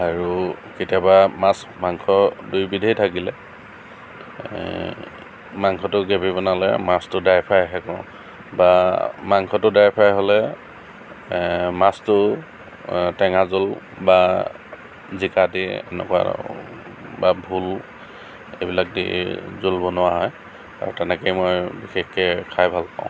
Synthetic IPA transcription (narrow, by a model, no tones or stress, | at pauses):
aɹuketijabamas | maŋkʰɔdujbidʱejtʰakilɛ | maŋkʰɔtʊɡɛpibɔnalɛ̰mastʊdajpʰajɦɛkɔ̰̃ | bamaŋkʰɔtʊdajpʰajɦɔlɛ | mastʊ | tɛŋazʊl | ba | zikadiɛ̰nɛ̰kʊwa̰ | babʱul | ebilak̚dḭzulbɔnʊwaɦɔj | a̰ɹutɛnɛkejmojbixexkɛkʰajbʱalpã̰ʊ̃